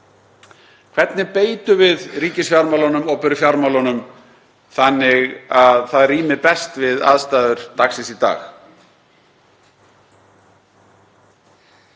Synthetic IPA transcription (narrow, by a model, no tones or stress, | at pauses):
kʰv̥ɛt̪nɪpeːjt̪ʏvɪðriːcɪsfjaɾmawlanʏmɔɣpɛɾʏfjaɾmawlanʏm | θanːɪɣaðθaðriːmɪpɛst̪vɪða̰ːðst̪aːðʏɾ̥t̪aksɪsit̪a̰ːx